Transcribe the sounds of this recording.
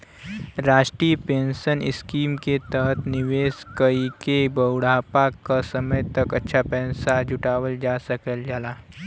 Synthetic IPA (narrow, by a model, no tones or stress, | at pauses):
ɾaːʃʈɾiːəpẽːnsənɪskiːmket̪əɦət̪ʰnɪʋeːskəikebəwɽaːpakasəməjt̪ɐkɐtːʃʰapɛːnsad͡ʒʱʊʈaːwəld͡ʒaːsəkəld͡ʒaːlaː